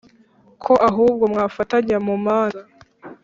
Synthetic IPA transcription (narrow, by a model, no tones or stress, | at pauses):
kʰo̞ʔaɦuːb̚ɡo̞mŋaːfataɲamumaːa